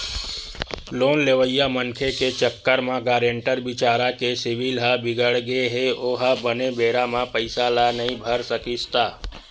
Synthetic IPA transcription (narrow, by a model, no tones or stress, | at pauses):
loːnleːʋəjamənkʰeket͡ʃəkːəɾmãɡaːɾeɳʈəɾbɪt͡ʃaːɾakesɪʋɪlɦabɪɡəɽɡeɦeoːɦabənebeːɾamãpəɪsalanɐɦĩbʱəɾsəkid͡ʒt̪aː